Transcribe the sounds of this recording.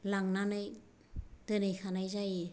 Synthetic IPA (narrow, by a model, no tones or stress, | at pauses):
laŋnanɯj | d̥ɯnɯjxʰanajzaj